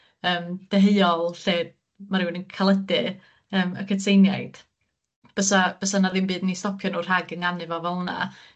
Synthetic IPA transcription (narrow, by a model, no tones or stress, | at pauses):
əːmd̥ɛɦeɨɔlˠɬeːd̚ | maɾɪwnənkʰalˠədɨ | əːmə̰kʰətʰejnjajd̥ | b̥əsab̥əsanaðɪnbɨːdnistɔpʰjɔnɔr̥ɦaɡəŋanɨvɔvɛlˠna̰